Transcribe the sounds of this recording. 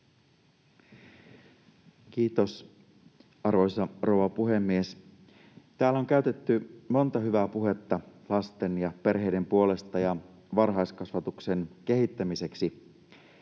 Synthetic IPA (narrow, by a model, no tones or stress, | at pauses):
k̟iːt̪o̞s | ɑrʋo̞jsɑro̞wʋɑpuɦe̞mːies | t̪æːloŋk̟æyɥt̪et̪ːymo̞nt̪ɑɦyʋæpuɦe̞t̪ːɑlɑst̪e̞njɑpe̞rɦejde̞mpuo̞le̞st̪ɑjɑ | ʋɑrɦɑjskɑsʋɑt̪ukse̞nk̟e̞ɦit̪ːæmise̞ksi